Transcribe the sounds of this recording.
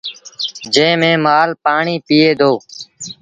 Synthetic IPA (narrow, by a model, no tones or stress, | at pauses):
d͡ʒẽːmẽːmaːlpaːɳiːpiːeːd̪ʱoː